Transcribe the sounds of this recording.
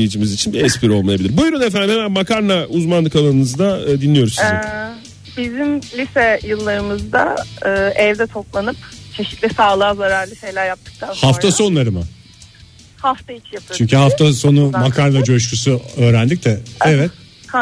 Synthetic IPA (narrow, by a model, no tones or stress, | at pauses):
ejid͡ʒimizit͡ʃʰinbiɛspʰiɾo̞lˠmajabilʲiɾbujɾunefænd̪ihemænmakʰaɾnauzmanlˠɯkalˠanɯnɯzd̪aːd̪inlːʲijo̞ɾuszzi | bizimlʲisɛjɯlˠːaɾɯmɯzd̪a̰ɯːʔɛvd̪ɛt̪ʰo̞plˠanɯpt͡ʃʰe̞ʃit̪lʲisaːlˠaːzaɾaɾlʲisejlʲæɾjap̚t̪ʰɯ̥k̚t̪ˠanhafʰaso̞nlˠaɾɯmɯ̰ | haft̪ʰait͡ʃjapʰɯt͡ʃʰyɲcʰyɦaft̪ʰaso̞numakʰaɾnad͡ʒoʃ̬ɾusuø̞ːɾænd̪icd̪ɛɛvɛt̪̚